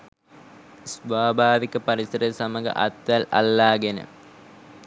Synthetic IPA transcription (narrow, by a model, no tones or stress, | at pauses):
sʋaːbʱaːʋikɐpɐɾisɐɾəsɐmɐɡɐ̰ʔɐ̰t̪ːɐlɐ̰lːaːɡenə̰